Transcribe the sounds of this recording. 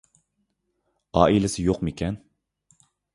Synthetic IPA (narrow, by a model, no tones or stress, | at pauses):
ɑːʔilɪsɪjoqmekʲʰɛn